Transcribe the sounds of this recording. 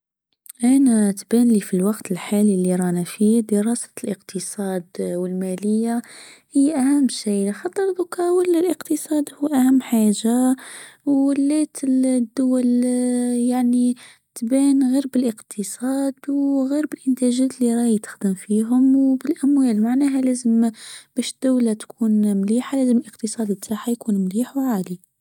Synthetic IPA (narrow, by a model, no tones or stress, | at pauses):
ʔænæt̪bænlifilwɑqt̪ʰəlħalilːiɾˤɑnæfid̪əɾˤɑsḁlʔəqt̪ʰəsˤɑːd̪wəlmæləjːahəjːʔæhæmːʃiːlxɑt̪ˤːəɾðʊkɑwəlːælʔəqt̪əsˤɑːd̪huːʔæhæmːħaːʒa | wəlːæt̪əd̪ːʊwæl | jaʕni | t̪bæːnɣiːɾbɪlʔəqt̪ʰəsˤɑːd̪wɣiːɾbɪlʔənt̪æʒæt̪lːiɾˤɑːjt̪ə̥xd̪əmfiːɦʊmwbɪlʔæmwæːlmaʕnæːɦælæːzəmb̥æʃəd̪̥ːawlat̪kʰuːnmliːħalæːzəməlʔəqt̪əsˤɑːd̪ət̪ʰːaħajkuːnmliːħwʕaːli